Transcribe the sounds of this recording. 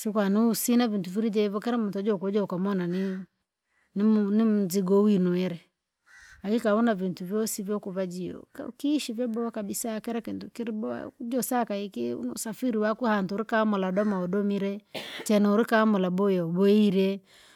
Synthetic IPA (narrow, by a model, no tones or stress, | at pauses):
sikwaniusinavintuviɾid͡ʒɛβɔkɛɾɛmutɔd͡ʒɔkɔd͡ʒɔkamɔnani | nnimuziɡɔwinɔɛɾɛ | akikaɔnavintuvjɔsivjɔkuβad͡ʒiɔ̰kkiʃivɛbɔkabisakɛɾɛkintukiɾibɔ̰d͡ʒɔsakaikḭnsafiɾiwakuhantuɾikamɔladɔmaɔdɔmiɾɛt͡ʃɛnɔuɾikamɔlabɔjaɔbɔiɾɛ